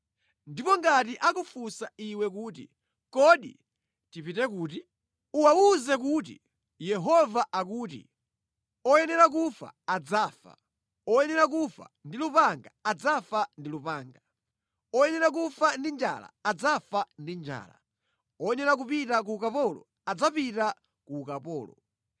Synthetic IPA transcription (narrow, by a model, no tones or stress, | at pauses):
ndipɔŋɡatiʔakufusaiwɛkuːtḭ | kɔɗi | tipitɛkuːti | uwauzɛk̬uːtḭ | jɛɦɔvaʔakuːtḭ | ɔjɛnɛɾak̬ufa̰ad͡zaːfa̰ | ɔjɛnɾak̬ufa̰ndilupaŋɡaad͡zafandilupaːŋɡa | ɔjɛnɛɾak̬ufandind͡ʒa̰la̰ːd͡zafandind͡ʒa̰ːla̰ | ɔjɛnɛɾak̬upitak̬uːkapɔlɔ̰ | ad͡zapita | kuːkapɔ̰ːlɔ̰